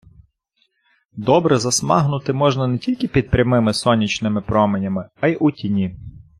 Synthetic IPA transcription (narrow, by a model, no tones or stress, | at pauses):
d̪ɔbɾɛzɐsmɑ̰ɦnʊt̪ɪmɔʒnɐnetʲilʲkɪpʲid̪̚pɾʲɐmɪmɪsɔnʲit͡ʃnɪmɪpɾɔmenʲɐmɪɑjʔutʲinʲi